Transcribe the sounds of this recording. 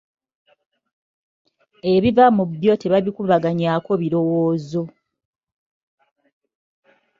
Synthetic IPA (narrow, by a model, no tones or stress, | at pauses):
e̞βivamubjo̞te̞βaβikuβaɡaɲako̞βiɾo̞woːzo̞